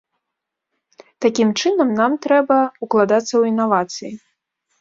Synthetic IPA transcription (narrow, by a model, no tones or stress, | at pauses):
t̪akʲimt͡ʂɨnɐmnamt̪ɾɛbɐuklˠad̪at̪sːɐwinːavat̪sɨji